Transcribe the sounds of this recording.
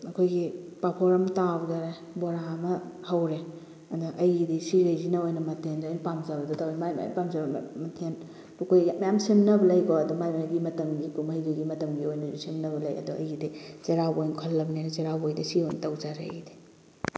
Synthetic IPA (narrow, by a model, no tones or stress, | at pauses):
ɐkʰojɡipapʰoɾɐmtabzaɾe | boɾamɐhɐwɾe | ɐndɐʔɐjɡidisiɾejzinɐojnɐmɐtʰendːjnpamzabɐdutawimajm̰pamzabɐ̰mɐtʰen | lukʰojjamɐjamsimnɐbɐlɐjɡoɐdumajmajɡimɐtɐmɡikumɐjduɡimɐtɐmɡiojnɐzusimnɐbɐlɐjɐ̰duɐ̰jɡidizeɾabojnkʰɔlːɐbnenɐzeɾabojdɐsiojnɐtɐwzaɾ̰ːjdi̥